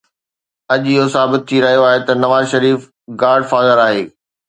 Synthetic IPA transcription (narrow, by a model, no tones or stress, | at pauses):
ɐʄɪɦosaːbɪt̪̚ʰːiɾɐɦijoaːɦet̪ɐnɐʋaːzʃɐɾiːf | ɡaːɾɖfaːzəɾaːɦeː